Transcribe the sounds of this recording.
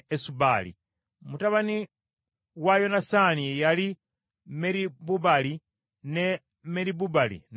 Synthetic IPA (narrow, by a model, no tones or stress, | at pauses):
esuβalḭ | mutaβani | ɣwajo̞nasaːniejali | meɾiβuβali | ne | meɾiβuβalḭn